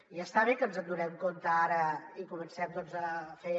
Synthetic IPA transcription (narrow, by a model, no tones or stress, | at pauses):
iəst̪aβ̞ekənzənd̪unɛmkont̪əaɾəikumənsɛmd̪ɔnzəfe